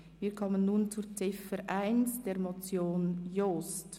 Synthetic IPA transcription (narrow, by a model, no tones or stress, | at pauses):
viːɾkʰɔmənːuːnt͡sut͡sɪfəɾʔaɪnsd̥eːɾmot͡sjoːnjoːst